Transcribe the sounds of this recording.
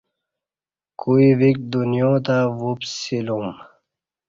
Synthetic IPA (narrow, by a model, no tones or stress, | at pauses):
kuivik̚d̪unijõːt̪aʋupsilum